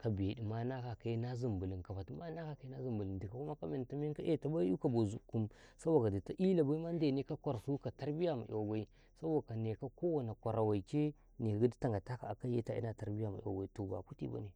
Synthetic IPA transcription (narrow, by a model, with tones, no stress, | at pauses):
ka˨be˨di˨ma˦na˦ka˨ka˦na˦zi˨mbu˨li˨nka˨ba˨ti˦ma˦na˦ka˨ka˦i˦na˦zi˨mbu˨li˨di˨ka˨ku˦ma˦ka˦me˨n˨ta˦mi˦ka˦ʔe˦˨ta˨ba˦ju˦ka˨bo˨zu˨ku˦msa˦wa˨ɡa˨di˨ta˦ʔi˦la˨ba˦i˦ma˦n˦de˨ne˦ka˦kʷa˨ɾsu˦ka˨ta˦ɾbi˦ja˦ma̰˨ʔḭ˨wa˨wa˦i˦ | sa˦bo˦˨ka˨ne˨ka˦ko˦wa˨na˨kʷa˨ɾa˨wa˨i˨t͡ʃe˦ | ne˨ɡu˦di˦ta˦˨ŋɡa˨ta˦ka̰˨a˨ka˦je˦ta˦ḭ˦na˨ta˨ɾbi˦ja˦˨ma̰˨ḭ˨wa̰˨wa˦i˦to˨ba̰˨ku˦tḭ˦˨ba̰˦ni˨